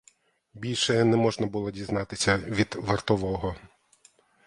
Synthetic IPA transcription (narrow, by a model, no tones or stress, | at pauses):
bʲilʲʃɛnɛmɔʒnɐbʊlˠɔdʲiznɑt̪ɪsʲɐʋʲid̪ʋɐrt̪ɔʋɔɦɔ